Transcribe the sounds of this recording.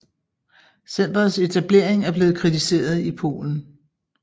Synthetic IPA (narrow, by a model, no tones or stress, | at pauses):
sen̰d̥ʁɐðˠse̝t͡sʰæb̥le̝̰ɐeŋæɐb̥le̝ːð̞̩ˠkʰʁit͡sʰise̝̰ːɐð̞ˠipʰo̝̰ːln̩